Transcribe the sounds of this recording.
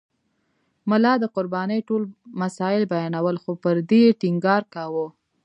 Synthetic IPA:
mʊlɑd̪əqʊɾbɑnəjʈolmasɑɪlbajɑnawəlxopəɾd̪eʈɪŋɡɑɾkawo

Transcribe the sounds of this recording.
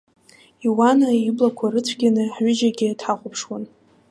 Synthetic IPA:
iwanaiblakʷʰaɾɨt͡sʷʰɡʲanɨħɥɪd͡ʒaɡʲɪtʰħaχʷʼʊpʰʂwan

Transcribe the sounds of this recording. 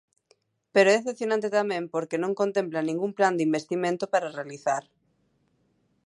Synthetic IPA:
peɾoeːθepθjonãnt̪et̪amẽmpoɾkenõŋkont̪ẽmplanĩŋɡumpland̪imbest̪imẽnt̪opaɾarealiθaɾ

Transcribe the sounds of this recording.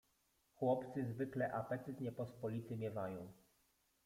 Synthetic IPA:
xwɔpt̪sɘzvɘklɛʔapɛt̪ɘt̪ɲɛpɔspɔlʲit̪ɘmʲjɛvajɔ̃w̃

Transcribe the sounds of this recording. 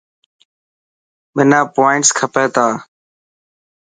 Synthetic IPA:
mɪnãːpoːɪɳʈskʰəpeːt̪aː

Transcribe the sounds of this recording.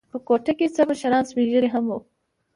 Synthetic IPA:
pəkoʈaket͡səməʃaɾɑnsmiʒəɾeɦamo

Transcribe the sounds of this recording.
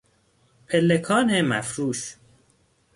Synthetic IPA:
pʰelːekʰɒːnemæfɾuːs

